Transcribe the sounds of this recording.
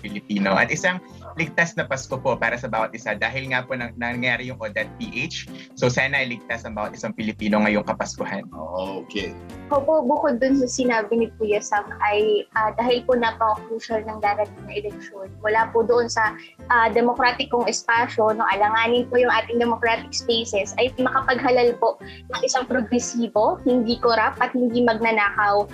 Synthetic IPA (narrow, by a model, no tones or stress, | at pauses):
pɪlɪpiːno̞ʔɐ̰t̪ʔɪsaŋ | lɪɡ̚t̪asnɐpɐskopo̞paːɾɐsɐbaːwɐt̪̚ʔɪsad̪aːɦɪlŋapo̞nɐnɐŋɐjaːɾɪjʊŋʔod̪ɐt̪̚piʔet͡ʃsowsaːnɐʔɐjlɪɡ̚t̪asɐŋbaːwɐt̪ʔɪsaŋpɪlɪpiːno̞ŋɐjoŋkɐpɐskohano̰ʔokeɐkopobʊkod̪ːʊns̬ɐsɪnaːbɪnɪpujɐsɐŋʔɐjʔaːd̪aːhɪlponɐpɐŋokɾuːʃɐlnɐŋd̪aːɾɐt̪ɪŋnɐʔɛlɛk̚ʃo̞nmʊlaːpʊd̪oʔo̞nsɐ | ʔad̪ɛmokɾaːt̪ɪkːoŋɛspaːʃo̞noʔɐlɐŋaːnɪnpojʊŋʔaːt̪ɪŋd̪ɛmokɾaːt̪ɪk̚spejsɛsɐjmɐkɐpɐɡ̚ɦɐlalpo̞ʔ | nɐŋʔɪsaŋpɾoɡɾɛsiːbo̞hɪnd̪iːkoɾap̚ʔɐt̪̚hɪnd̪imɐɡ̚nɐnaːkɐw